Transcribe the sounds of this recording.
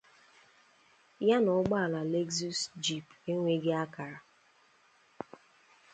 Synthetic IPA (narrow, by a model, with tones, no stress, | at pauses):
ja˦nʊ˨ʊ˦ɡ͡ba˦a˨la˨le˦ɡzu˦sd͡ʒi˨pe˦ŋʷe˦ɡe˦a˦ka˨ɾa˨